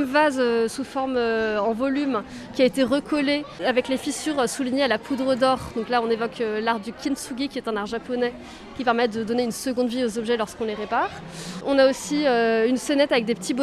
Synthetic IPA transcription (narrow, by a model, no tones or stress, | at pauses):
mvazøsufɔʁmøɑ̃vɔlym | kʲiaet̪eʁəkʰɔleavɛklefisyʁsuliɲealapʰud̪ʁəd̪ɔʁd̪̥ɔ̃klaɔ̃nevɔkʰølaʁd̪ykʲinsuɡʲikʲiɛt̪ɛ̃naʁʒapɔnɛ | kʲipɛʁmɛtd̪əd̪ɔneynsəɡɔ̃d̪viozɔbʒɛlɔʁskɔ̃leʁepaʁ | ɔ̃naosiøynsɛnɛt̪avɛk̚d̪epə̥t̪ib